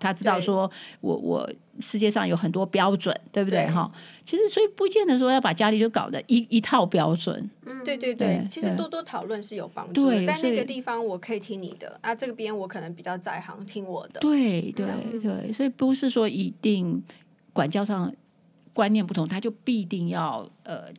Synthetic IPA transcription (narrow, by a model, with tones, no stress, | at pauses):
t̪ʰa˥ʈ͡ʂɻ̩˥t̪ɑ˥˩ʊʂwɔ˥wɔ̰˧˩wɔ̰˨˩ | ʂɻ̩˥˧t͡ɕjɛ˥˧ʂɑ˥˩ŋjo˧˥ʊxə˨˩nt̪wɔ˥pjɑ˥ʊʈ͡ʂwə̰˨˩˦nt̪we˥˩ɪbu˩t̪e˥˩ɪɦɑ̰˥˩t͡ɕʰi˧˥ʂɻ̩˧˥swɔ˧˥i˨˩pu˥˧˥t͡ɕjɛ˥˩nd̪ə˩ʂɻ̩˧˥˧jɑ˥˩pa˨˩t͡ɕja˥li˨˩t͡ɕjo˥˩kɑ̰˨˩ʊd̪ə̰˦ʔi˧˥i˧˥t̪ʰɑ˥˩ʊpjɑ˥ʊʈ͡ʂwə̰˨˩˦nt̪we˥˧ɪt̪we˥˧ɪt̪we˥˩ɪt͡ɕʰi˧˥ʂɻ̩˥˧˥t̪wɔ˥t̪wɔ˥t̪ʰɑ˨˩ʊlwə˥˧nʂɻ̩˥˩jo˨˩ʊfɑ̰˥ŋt̪uwe˥˧˩ɪa˥˧snɔa˥˩ɡə˨t̪i˥˩fɑ˩ŋwɔ˨˩kʰɤ˧˥i˨˩t̪ʰi˥ŋnḭ˨˩d̪ə̰˦na˥˧ʈ͡ʂɤ˥˩ɡə˩pjɛ˥nwɔ˧˥kʰɤ˨˩nɤ˧˥ŋpi˨˩t͡ɕjɑ˥˧ʊt͡sa˥˩ɪxɑ̰˧˥ŋt̪ʰi˥ŋwɔ˨˩d̪ə˦t̪we˥˩ɪt̪we˥˩ɪt̪we˥˩ɪswɔ˧˥i˨˩pu˧˥ʂɻ̩˥˧ʂwɔ˥ʔi˧˥t̪i˥˩ŋ | kwa˨˩nt͡ɕjɑ˥˧ʊʂɑ˥˩ŋ | kwa˥nnjɛ˧npu˥˩t̪ʰʊ˧˥ŋt̪ʰa˥t͡ɕjo˥˧ʊpi˥˧t̪i˥˧ŋjɑ˥˩ʊə˩